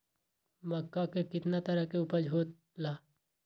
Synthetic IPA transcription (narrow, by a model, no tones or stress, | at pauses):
mɐkːakekɪt̪nat̪əɾəɦkeʊpəd͡ʒʱɦoːt̪ | laː